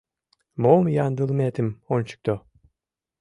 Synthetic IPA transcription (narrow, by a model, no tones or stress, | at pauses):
moːmjand̪ɯlˠmet̪ʰimont͡ʃu̥k̚t̪ɔ